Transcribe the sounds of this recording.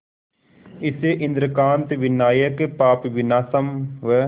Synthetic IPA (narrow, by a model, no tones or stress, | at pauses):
ɪseʔɪ̃nd̪ɾəkaːnt̪ʋɪnaːjəkpaːpʋɪnaːsəmʋə